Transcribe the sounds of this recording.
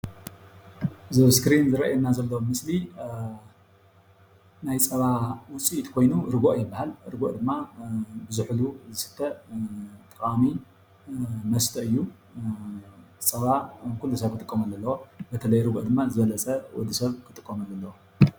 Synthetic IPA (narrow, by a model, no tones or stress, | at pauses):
zɐβskɾinzɨɾɐ̰ʔjɛnːazɐlːowomɨsli | najt͡sʼɐβawʊt͡sʼiʔt̪kʰo̞jnuɾɨɡoʔjɪbːahalɾɨɡoʔd̪ɨmːabɨzɨħluzɨsɨ̥t̪ʰːɐ | t̪ʼɨkʼami | mɐst̪ʰɐɨjːu | sʼɐβakʰulːusɐβkʰɨt̪ʼɨkʼːɐmɐlːɐlːɐwobɐt̪ʰɐlɐjɾɨɡo̰ʔd̪ɨmːazɨβɐlɐt͡sʼɐwɔ̰d̪isɐβkʰɨt̪ʼɨkʼːomɐlːɐlːɐwo